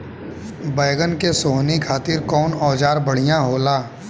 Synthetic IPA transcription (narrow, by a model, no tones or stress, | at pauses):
bəɪɡənkesoːnikʰaːt̪ɪɾkɔːnɔːd͡ʒaːɾbəɽ̤ijãɦoːlaː